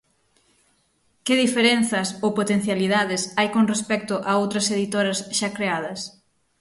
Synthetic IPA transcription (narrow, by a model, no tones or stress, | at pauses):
kɪðifeɾen̟θɐsowpot̪en̟θjaliðaðɪsajkoŋrespɛk̚t̪ʊʔaowt̪ɾɐseðit̪oɾɐsʃakɾeað̞ɐs